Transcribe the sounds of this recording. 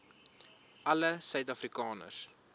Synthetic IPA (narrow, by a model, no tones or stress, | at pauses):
ʔɐləsœɥtɐfrikɑːnə̰rs